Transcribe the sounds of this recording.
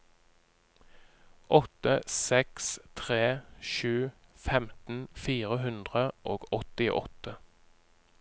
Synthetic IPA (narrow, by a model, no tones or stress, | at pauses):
ʔɔt̪əsɛkst̪ʰʁeːʃʉːfɛmt̪n̩fiːʁəɦʉnd̪ʁəʔoːɡɔt̪ɪʔɔ̰t̪ə